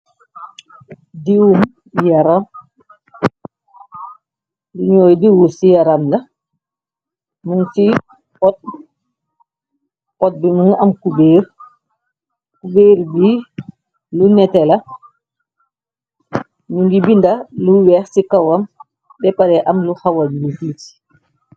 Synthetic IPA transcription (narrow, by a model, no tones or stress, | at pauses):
diwum | jaɾam | luɲɔːjdiwusijaɾamla | nuŋsi | ɔt̚ | ʔɔt̚binuŋamkubeːɾ | kubeːɾdi | lunɛtɛla | nuŋɡibindaluwɛxsikawam | bɛpaɾɛʔamluhawaduwufiti̥